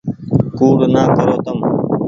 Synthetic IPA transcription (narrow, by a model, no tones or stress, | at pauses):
kuːɽnaːkɐɾoːt̪ɐm